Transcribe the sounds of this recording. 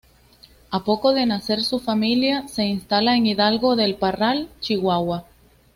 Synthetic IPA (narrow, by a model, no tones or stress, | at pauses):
apo̞ko̞ðe̞nase̞ɾsufamiljase̞inst̪alaeŋiðalɣo̞ðe̞lparalt͡ʃiɣwawa